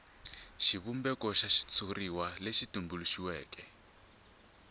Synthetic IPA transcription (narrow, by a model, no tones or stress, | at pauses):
ʃiβumbɛkɔʃaʃi̥t͡sʰuriwaleʃitumbuluʃiwɛːkɛ